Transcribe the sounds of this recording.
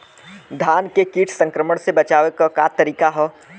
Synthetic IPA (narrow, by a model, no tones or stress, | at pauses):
d̪ʱaːnkekiːʈʰsə̃ŋkɾəməɽsebɐt͡ʃaːʋekɔkat̪ɐɾiːkaɦɔː